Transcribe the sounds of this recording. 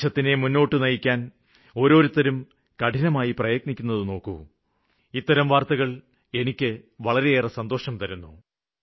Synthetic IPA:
ɐt̪ːine̞munːo̞ːʈːɨnɐjikʲːaːn | o̞ːɾo̞ːɾut̪ːɐɾum | kɐʈʰinɐmaːjiprɐjɐknikʲːunːɐðɨno̞ːkːṵ | it̪ːɐɾɐmʋaːrt̪ɐɣɐɭ | e̞nikʲːɨʋɐɭɐɾe̞eːrɐsɐnd̪o̞ːʂɐmt̪ɐɾunːu

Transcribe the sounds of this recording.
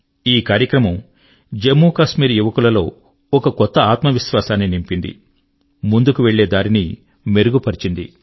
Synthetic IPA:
iːkaːɾjɐkɾɐmɐm | d͡ʒemːuːkaːʃmiːɾjuʋɐkulɐlo̞ː | ɔkɐkɔt̪ːɐaːt̪mɐʋisʋaːsaːnːinimpind̪ḭ | mund̪ukuʋe̞ɭːe̞ːd̪aːɾini | me̞ɾuɡupɐɾit͡ʃind̪ḭ

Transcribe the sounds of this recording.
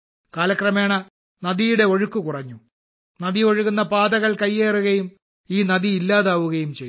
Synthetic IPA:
kaːlɐkrɐmeːɳɐ | nɐðijuɽe̞o̞ɻukːukurɐɲːu | nɐðio̞ɻuɣunːɐpaːd̪ɐɣɐɭkɐjːeːruɣɐjum | iːnɐðiilːaːðaːʋuɣɐjumt͡ɕej

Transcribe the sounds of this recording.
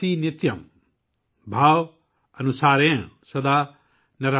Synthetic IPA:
iːnit̪jɐm | bʱaːw | ɐnusaːɾẽ | sɐd̪aː | nɐɾa

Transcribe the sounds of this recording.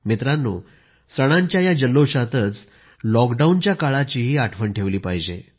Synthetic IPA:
mit̪ɾanːṵː | səɽ̃aɲt͡ɕjajad͡ʑəlːoɕat̪ət͡s | lɔkɖaunt͡ɕjakaɭat͡ɕiːɦiːaʈʰʋəɳʈʰeʋliːpaɦd͡ʑḛ

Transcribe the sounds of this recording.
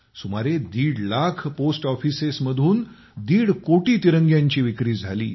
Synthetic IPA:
sumaɾed̪iːɽlakʰposʈɔfisesməd̪ʱuːn | d̪iːɽkoʈiːt̪iɾəŋɡjaɲt͡ɕiːʋikɾiːd͡zʱalḭː

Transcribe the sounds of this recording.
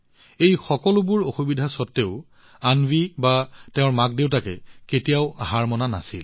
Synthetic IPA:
ejxɔkɔlʊbʊɹoxubidʱasɔtːeʊ | anbibateʊ̃ɹmak̚deʊtakɛ̰ketijaʊaɦaɹmɔnana̰sil

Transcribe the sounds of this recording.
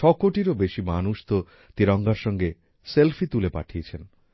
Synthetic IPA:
ʃɔkoʈiɾobeʃimanuʃt̪o | t̪iɾɔŋɡaɾʃɔŋɡe | selfʰit̪ulepa̰ʈʰiet͡ɕʰen

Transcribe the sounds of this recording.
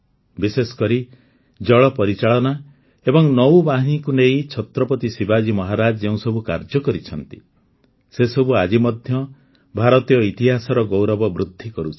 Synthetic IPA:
bisesɔ̥kɔɾi | d͡ʒɔɭɔpɔɾit͡ʃaɭɔna | ebɔŋnɔwbaɦinikuneit͡ʃʰɔt̪ɾɔpɔt̪isibad͡ʒimɔɦaɾad͡ʒɔd͡ʒeũsɔbʱuka̰ɾd͡ʒɔkɔɾit͡ʃʰɔnt̪i̥̰ | sesɔbuad͡ʒimɔd̪ʱjɔ | bʱaɾɔt̪ijɔit̪iɦasɔɾɔɡowɾɔbɔbɾud̪ʱːikɔɾut͡ʃʰi̥

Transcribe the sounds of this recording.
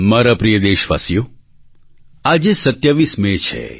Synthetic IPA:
maɾapɾijəd̪eʃʋa̰sjo | ad͡ʒesət̪jaʋismet͡ʃʰḛ

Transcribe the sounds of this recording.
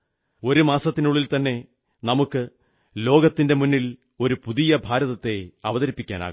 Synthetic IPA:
o̞ɾumaːsɐt̪ːinuɭilt̪ɐnːe̞ | nɐmukːɨ | lo̞ːɡɐt̪ːinde̞munːil | o̞ɾupuðijɐbʱaːɾɐðɐt̪ːe̞ɐʋɐðɐɾipːikʲːa̰ːna̰ːɣ

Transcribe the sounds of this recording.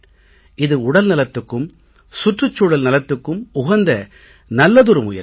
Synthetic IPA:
ɪðɯʊɽɐlnɐlɐt̪ːɯkːɯm | sʊʈrɯt͡ʃːuɽɐlnɐlɐt̪ːɯkːɯmʊɣɐnd̪ɐ | nɐlːɐðʊɾɯmʊjɐ̰

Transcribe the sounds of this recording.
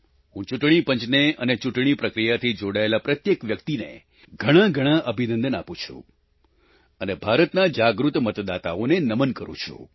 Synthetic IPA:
ɦũt͡ʃuʈɽ̃ipəɲt͡ʃneənet͡ʃuʈɽ̃ipɾəkɾijat̪ʰid͡ʒoɽaelapɾət̪jekʋjəkt̪inḛ | ɡʱəɽ̃ãɡʱəɽ̃ãʔəbʱinə̃nd̪əna̰pũt͡ʃʰṵ̃ | ənebʱaɾət̪nad͡ʒaɡɾut̪mət̪d̪at̪a̰onenəmənkəɾṵ̃t͡ʃʰṵ̃

